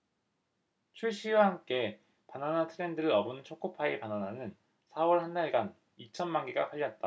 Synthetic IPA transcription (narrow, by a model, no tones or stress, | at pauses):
t͡ɕʰuɭɕ͈iwahamk͈e̞ | pananatʰɯɾe̞ndɯɾɯɾʌbɯnt͡ɕʰok͈ʰopʰaipanananɯn | sʰawʌɭhandaɭɡan | it͡ɕʰʌnmanɡeɡapʰaʎːʌt̚t͈a